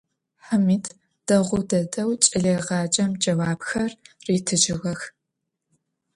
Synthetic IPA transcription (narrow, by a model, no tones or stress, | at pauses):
ħɨmiːtʰ | d̥ɐʁʷʊdɐdɐwt͡ʃʼɪɮeːʁɑːd͡ʒʼɐmd͡ʒɐwaːbxɐrriːtʰɨd͡ʒɪɣɐx